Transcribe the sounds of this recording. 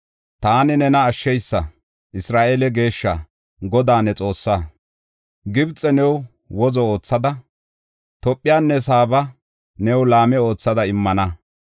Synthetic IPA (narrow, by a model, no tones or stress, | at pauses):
t̪aːnɪnɛnɐːʃːɛjsːɐ | ʔɪsɾaːʔelɛɡe̞ːʃːɐ | ɡɔd̪aːnɛt͡sʼo̞ːsːaː | ɡɪbt͡sʼːɛnɛw | wɔzɔoːt͡sːɐd̪ɐ | t̪ɔpʼːɪjaːnːɛs̬aːbɐ | nɛwlaːmɛo̞ːt͡sːɐd̪ɐɪmːɐnɐ